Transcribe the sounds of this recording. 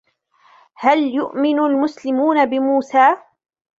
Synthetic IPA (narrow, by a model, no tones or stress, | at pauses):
haljʊʔmɪnʊlmʊslɪmuːnabɪmuːsaː